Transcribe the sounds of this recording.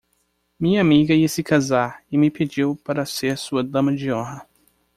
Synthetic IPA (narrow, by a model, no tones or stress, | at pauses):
mĩɲɐamiɡɐiɐsɪkazaɾɪmɪped͡ʒiwpaɾɐseɾsuɐd̪ɐ̃mɐd͡ʒɪõɦɐ